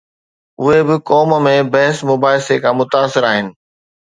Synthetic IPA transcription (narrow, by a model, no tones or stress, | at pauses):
ʊɦebɪkɔːmmẽbɐɦɪsmʊbaːɪsekʰãmʊt̪aːsɪɾaːɦɪnɪ̆